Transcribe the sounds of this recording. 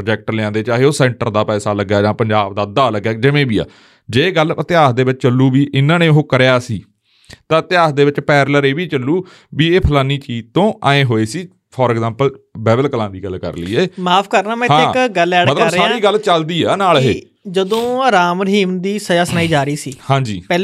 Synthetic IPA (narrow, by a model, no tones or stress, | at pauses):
pɾoːd͡ʒɛːk̚ʈəlɪãːd̪eːt͡ʃaːɦeːoːsɛ̃ːɳʈəɾd̪aːpɛːsaːləɡːjaːd͡ʒãːpəɲd͡ʒaːbd̪aːd̪aːləɡaːd͡ʒɪʋẽːbiːa̰ː | d͡ʒeːɡələt̪ɪaːsd̪eːʋɪt͡ʃt͡ʃəlːuːbiːʔɪnãːnẽːʊɦõːkəɾjaːsiː | t̪ãːt̪ɪjaːsd̪eːʋɪt͡ʃpɛːɾləɾeːʋiːt͡ʃəlːuː | biːeːpʰəlaːniːt͡ʃiːd͡ʒt̪õːʔaːẽːɦoːeːsiː | pʰɔːɾɛɡzãːmpəlbɛːbəlkəlãːd̪iːɡəlkə̰ɾləḭːeːmaːpʰkəɾnãːmɛ̃ãeɪɡəlɛːət̪ləɾɾaːɾiːɡəlt͡ʃəld̪iːaːnaːlɦeː | d͡ʒəd̪õːɾaːmɾəɦiːmd̪iːsəd͡ʒaːsnaːiːd͡ʒaːɾiːsiːhãːd͡ʒiːpɛː